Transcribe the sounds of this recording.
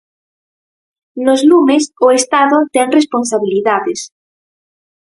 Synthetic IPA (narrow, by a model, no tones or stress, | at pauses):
lozlumesoest̪aðot̪eŋresponsaβiliðaðes